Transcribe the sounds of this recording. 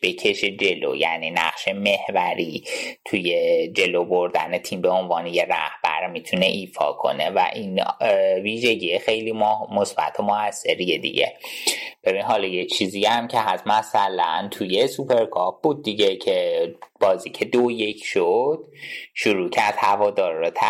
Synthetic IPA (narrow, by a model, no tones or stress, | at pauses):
b̥e̞cʰe̞ʃe̞d͡ʒe̞lo̰jæ̰ninæ̰ʁʃe̞me̞hvæɾit̪ʰuje̞d͡ʒe̞loboɾd̪æ̰net̪ʰimbeonvɒːneje̞ɾæ̰hb̥æ̰ɾmit̪ʰune̞ʔiːfɒ̰ːkʰo̞̰ne̞væ̰ʔinviːʒe̞ɟʲiexejliːmmosb̥æ̰t̪ʰomoæsːe̞ɾijed̪ḭɟḛb̥e̞binɦɒːlɒːjet͡ʃʰiːziæmcʰeɦæsmæsælænt̪ʰujesupʰe̞ɾkʰɒp̚b̥uːd̪̚ːiɟecʰeb̥ɒːziːcʰe̞d̪oje̞cʰʃod̪̥̚ʃuɾuːcʰæɾd̪̥hævɒːd̪ɒːɾːot̪ʰæ